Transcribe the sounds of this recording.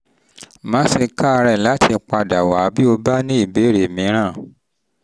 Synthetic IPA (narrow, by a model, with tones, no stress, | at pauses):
mã˨˦se˧ka˦˧ɾɛ˦˨la˨˦tʰi˧k͡pa˧da˨wa˨˦bi˦o˧ba˦nĩ˦i˦˨be˨˦ɾe˨mĩ˨˦ɾ̃ã˦˨